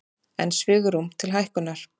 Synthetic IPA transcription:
ɛ̰nsvɪːɣʏɾumt̪ʰɪlɦajhkʏnaɾ̥

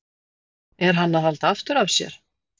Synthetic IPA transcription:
ɛɾ̥ɦanːaθalt̪aaft̪ʏɾavsjɛ̰ɾ̥

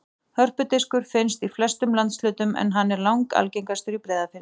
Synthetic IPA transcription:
hœr̥pʏt̪ɪskʏɾ̥fɪnst̪iflœst̪ʏmlant̪slʏːt̪ʏmʔɛ̰nɦanːɛɾlawŋka̰lcejŋkast̪ʏɾipɾɛːðafɪnːɪ

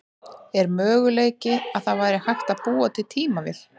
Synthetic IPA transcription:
ɛɾmœːɣʏleːjcɪaðθaðvaːjɾɪhajxt̪aðpuːat̪ʰɪlt̪ʰiːmavɪ̰l̥

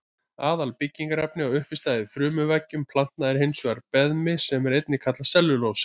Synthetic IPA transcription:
aːðalpicːiŋkaɾapnɪawʏhpɪst̪aːjðɪfɾʏːmʏvɛcːʏmpʰlan̥t̪naðɪɾ̥hejnsɔɣaɾpɛðmɪsɛmɛɾejt̪nɪkʰat̪lasɛlːʏloːws

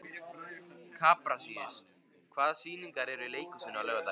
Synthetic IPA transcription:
kʰaːpɾasiːɪs | kʰvaːðsiːniŋkaɾɛɾɪleːjkʏsʏnːalœːɣat̪a

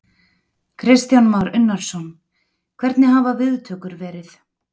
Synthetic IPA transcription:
kʰɾɪst̪janmawɾʏnːaɾ̥sɔn | kʰvɛɾt̪nɪɦavavɪðt̪ʰœːkʏɾvɛːɾɪθ

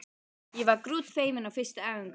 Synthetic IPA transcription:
jɛvaɾkɾuːt̪feːjmɪnawfɪrst̪aɛːʏŋk

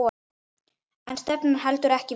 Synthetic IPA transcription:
ɛnst̪ɛpnʏɾɦalt̪ʏɾɛhcɪ

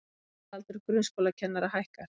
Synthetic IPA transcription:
alt̪ʏɾkɾʏnskowlacʰɛnːaɾahajhkaɾ̥

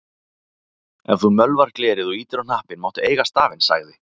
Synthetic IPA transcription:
ɛ̰nθumœlvaɾ̥klɛːɾɪðɔiːt̪ɪɾanahpɪnmawht̪ʏeːjɣast̪aːvɪnsa̰ɣðɪ

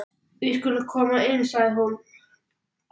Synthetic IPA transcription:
viskʏlʏkʰɔːmaɪnsaɣðhun

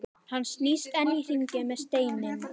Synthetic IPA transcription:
hanːsniːst̪ɛnːir̥iɲcɪmɛðst̪eːjnɪm

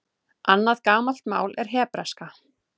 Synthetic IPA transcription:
ʔanːaðkaːmal̥t̪ma̰ːwlɛɾ̥ɦɛːpɾaska

